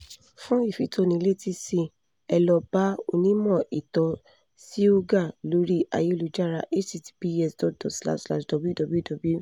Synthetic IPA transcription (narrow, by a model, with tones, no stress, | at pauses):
fũ˦i˦˨fi˨tʰo˧˦nĩ˧le˦ti˦si˧ | ɛ˧lɔ˧ba˦o̰˧nĩ˦mɔ̃˦˨i˨tɔ˨˧ | si˦o˦ɡa˦˨lo˨˦ɾi˦ʔa̰˧˨je˦lu˨d͡ʒa˦ɾa˧ʔe˦t͡ʃi˧ti̥˧bi˧ɛ˦sdɔ˨t̚dɔ˨sla̰˦ʃla̰˧˨ʃdɔ˧bu˦dɔ˧bu˦dɔ˧bu˦˨